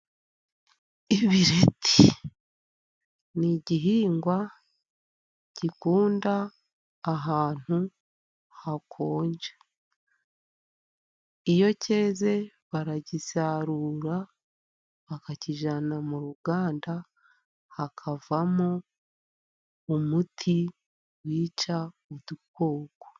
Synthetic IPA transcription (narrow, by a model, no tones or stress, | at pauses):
iβiɾe̞tʰi̥ | niɟiɦiːŋɡwa | cikuːndaː | ɦaːn̥hu | hakʰo̞ːɲɟḁ | ijo̞cʰe̞ːze̞ | βaɾaɟisaɾuːɾa | βakaciʒanamuɾuɡaːnda | hakʰavamo | umutʰi | wiːt͡ʃaudukoːɡ̥o̥